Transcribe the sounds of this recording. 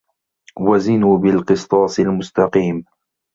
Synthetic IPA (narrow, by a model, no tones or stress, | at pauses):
wazɪnuːbɪlqɨsˤt̪ˤɑːsˤɪlmʊst̪ɑqiːm